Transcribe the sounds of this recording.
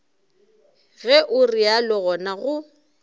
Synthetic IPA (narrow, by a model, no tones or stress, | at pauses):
ɣɛʔʊrialɔɣɔnaɣʊ